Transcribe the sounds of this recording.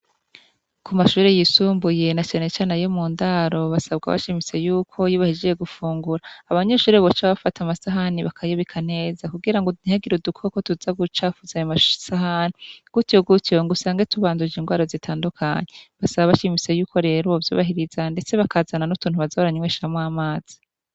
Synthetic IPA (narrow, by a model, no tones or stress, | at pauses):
kumaʃuːɾejisuːmbuje̞nat͡ʃaːne̞t͡ʃaːnajo̞muːndaɾo̞βasabɡa̰βa̰ʃimise̞juːkʰo̞jiːβahid͡ʒejeɡufuːŋɡuɾaːβaɲeʃuːɾeβot͡ʃaβafatʰamasaɦaniβakʰajoβikʰane̞ːzakuɡiɾaŋɡon̥heɡiɾudukʰokotuzaɡut͡ʃaːfuzajomasaɦaniɡ̥utjo̞ɡutjo̞ŋɡusaːŋɡatuβaːndud͡ʒinŋɡwaːɾozitʰaːndukʰa̰ɲeβasaβaβaʃimit͡se̞juːko̞ɾe̞ːɾovjṵːβaɦiɾizande̞t͡se̞βakaːzananutuːnhuβazoɾaɲiweʃamwaːmaːz̥i̥